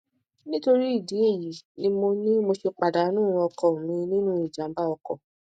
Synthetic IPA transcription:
nĩ˦to˧ɾi˦i˦˨di˨˦e˦˨ji˨˦nĩ˧mo˧nĩ˦mo˧ʃe˧k͡pa˨da˨˦nũ˦˧ɔ˧kɔ˨mĩ˧nĩ˦nũ˦i˦˨d͡ʒã˨˦m˦ba˦ɔ˧kɔ̰˦˨

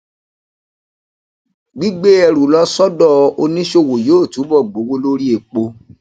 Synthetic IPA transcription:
ɡ͡bi˦ɡ͡be˦ɛ˧ɾu˨lɔ˦sɔ˦dɔ˦˧ʔo˧nĩ˦ʃo˧˨wo˨joː˦˨tu˨˦bɔ˦˨ɡ͡bo˨˦wo˦lo˦ɾi˦e˨k͡po˧

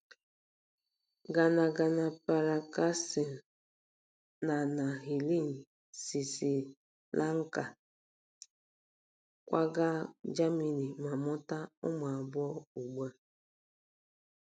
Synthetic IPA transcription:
ɡa˨na˨ɡa˨na˨pa˨ɾa˨ka˦si˨n̩˨ | na˨na˨ɦi˨li˦˨n̩˨ | si˨si˨ | lʔa˦ŋ̩˦ka˨ | kʷa˦ɡa˦d͡ʒa˦mi˨ni˨ma˨mʊ˦ta˦ʊ˦ma˨a˨bʊ˦ɔ˦u˨ɡ͡ba˦

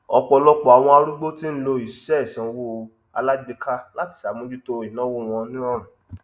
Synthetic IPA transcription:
ɔ˧k͡pɔ˧lɔ˦k͡pɔ˦˨a˨w̃ɔ̃˧a˧ɾu˦ɡ͡bo˦ti˦n̩˦lo˧i˨ʃɛ˦˨sã˨˧wo˦ | a̰˧la˦ɡ͡bi˧ka˦la˦ti̥˨sa˨˦mõ˧˦d͡ʒu˦to˦i˨nã˨˦wo˦˨w̃ɔ̃˧nĩ˦ɔ̃˦˨ɾ̃ũ˨

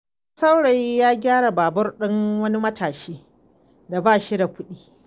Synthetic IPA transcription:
sa˦wɽa˨jːaː˦ɡʲaː˦ɽa˨baː˨bɐ˦rɗɪ˦ŋwɐ˦ni˦mɐ˦tʰaː˨ʃiː˦ | da˨baː˦˨ʃi˦da˨ɸʊ˦ɗiː˦˨

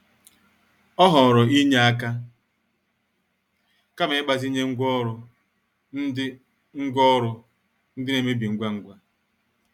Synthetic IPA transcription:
ɔ˦ɦɔ˨ɾɔ˨i˦ɲe˦a˦ka˦ | ka˦me˨˦k͡pa˨zi˦ɲe˦ŋ̩˦ɡʷɔ˦ɾʊ˨ | n̩˦dɪ˦ | ŋ̩˦ɡʷɔ˦ɾʊ˨ | n̩˦dɪ˦ne˨me˦bi˨ŋ̩˦ɡʷa˦ŋ̩˦ɡʷa˦

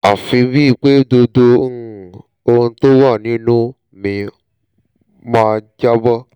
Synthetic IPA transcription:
a˨fi˧βi˦˨k͡pe˦do˧do˧˦˨ | o˦˧n̩˦t̪o˦wa˦˨nĩ˦nũ˦ | mĩ˨˧ | mã˧d͡ʒa˦bɔ˦

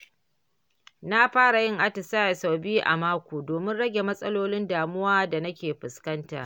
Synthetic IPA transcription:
na˦ɸaː˦ɽa˨jɪ˦ŋʔa˦tɪ˨saː˦ja˨sa˨wbiː˦ʔa̰˨maː˦kʷoː˨doː˨mɪ˦nɽɐ˦ɡʲe˨mɐ˦sʼɐ˦loː˦lɪ˦ndaː˨mʊ˦waː˦da˨nɐ˦kʲeː˨ɸɪ˨skɐ˦nta̰˨ʔ

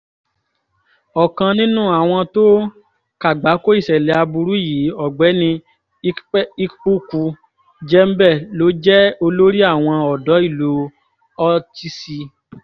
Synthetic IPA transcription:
ɔ˨kã˧nĩ˦nũ˦˨a˨w̃ɔ̃˧to˦ | ka˨ɡ͡ba˨˦ko˦i˦˨ʃɛ˨lɛ˨˦a˧bu˧ɾu˨˦i˦˨ji˨˦ɔ˦˨ɡ͡bɛ˨˦nĩ˧˦ | i˦k͡pu˦ku˧ | d͡ʒɛ˦m̩˦bɛ˦˨lo˨˦d͡ʒɛ˦o˧lo˦ɾi˦a˦˨w̃ɔ̃˧ɔ˨dɔ˨˦i˦˨lo˧˦ | ɔ˧ti˦si˧

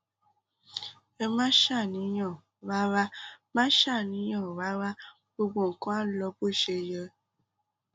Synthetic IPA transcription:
e˧mã˦ʃa˦˨nĩ˨˦jɔ̃˦˨ | wa˦ɾa˦mã˦ʃa˦˨nĩ˨˦j̃ɔ̃˦˨wa˦ɾa˦ | bo˧ɡ͡bo˦˨ŋ̩˨kɔ̃˦a˦lɔ˧˦bo˦˨ʃe˧jə˧

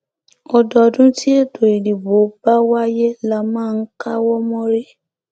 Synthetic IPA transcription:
ɔ˧dɔ˨˧dũ˦ti˦e˦˨do˨i˨li˨bo˨˦ba˦wa˦je˦la˦mãː˦˧n̩˦ka˦wɔ˦mɔ̃˦ɾe˦

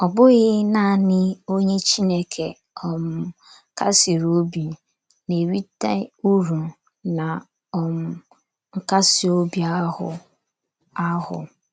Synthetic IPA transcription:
ɔ˨bʊ˦ɣɪ˦na˦˨nɪ˦o˦ɲe˦t͡ʃi˦ne˨kʰe˨ | ɔ˨m̩˨ | ka˦si˨ɾo˦bi˨ | ne˨wi˦ta˦u˦ɾũ˨ | na˨ | ɔ˨m̩˨ | ŋ̩˦ka˦sɪ˨o˦bi˨a˦hʊ̰˨ | a˦hʊ̰˨

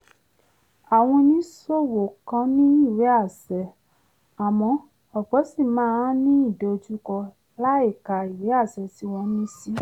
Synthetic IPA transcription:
a˨w̃ɔ̃˧nĩ˦so˦wo˨kã˧˦nĩ˦i˦˨we˨˦a˦˨sɛ˧˨ | a˨mɔ̃˧ | ɔ˨ɡ͡bɔ˨˦si˦˨mãː˨˦ã˦nĩ˦i˦˨do˨˧d͡ʒu˦kɔ˧ | la˦i˦˨ka˨i˨we˨˦a˦˨sɛ˨ti˦w̃ɔ̃˧nĩ˦si˦

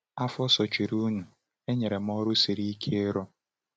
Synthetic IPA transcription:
a˦fɔ˦sɔ˨t͡ʃi˨ɾu˦nu˨ | e˦ɲe˨ɾe˨m˦ɔ˦ɾʊ˦si˨ɾi˦i˦kʰe˦e˦ɾɔ˦

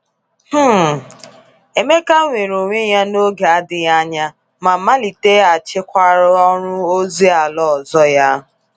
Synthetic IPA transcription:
h̩˦ | e˨me˦ka˦ŋʷe˨ɾo˨ŋʷe˦ja˦no˦ɡe˨a˦dɪ˨ja˦ɲa˦ | ma˨ma˦li˨te˦a˨t͡ʃɪ˦kʷa˦ɾɔ˦ɾʊ˦o˦zi˦a˨lɔ˦˨zɔ˦ja˦

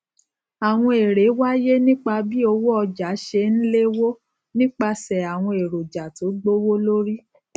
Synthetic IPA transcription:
a˨w̃ɔ̃˧e˨ɾe˨˦wa˦je˦nĩ˦k͡pa˧bi˦o˧wo˦ɔ˧d͡ʒa˨˦ʃe˧n̩˦le˦wo˦ | nĩ˦k͡pa˧sɛ˨a˨w̃ɔ̃˧e˨ɾo˨d͡ʒa˨to˨˦ɡ͡bo˦wo˦lo˦ɾi˦

